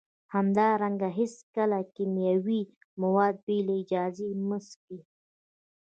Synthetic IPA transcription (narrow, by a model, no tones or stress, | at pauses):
hamd̪ɑɾaŋɡaɦɪskəlakimjawi | mawɑd̪̚beleɪd͡ʒɑzeməsk̚d̪i